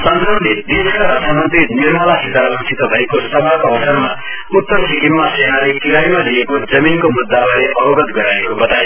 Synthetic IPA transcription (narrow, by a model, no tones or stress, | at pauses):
sʌnt̪ʌnd̪ʱid̪iskaɾʌt̪ʰamʌnt̪iniɾmʌlasit̪aɾʌnt͡sʰit̪ʌbʱʌekosʌbʱakobʌsʌnma | ut̪ːʌɾsikinmasenalekiɾajmaliekod͡zʌminkomud̪ːawʌleʔʌbʌɡʌt̪ɡʌɾaekobʌt̪ae